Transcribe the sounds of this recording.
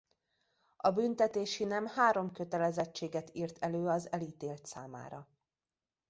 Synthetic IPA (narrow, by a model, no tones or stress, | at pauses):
ɒbynt̪ɛt̪eːʃinɛmhaːɾo̞mkø̞t̪ɛlɛzɛt͡ʃːeːɡɛt̪iːrt̪ʰɛløːɒzɛliːt̪eːlt̪sa̰ːma̰ːɾɒ